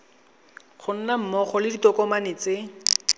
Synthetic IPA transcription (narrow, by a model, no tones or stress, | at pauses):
χʰʊn̩nam̩mɔχɔlɪditɔkɔmanɪt͡sɪ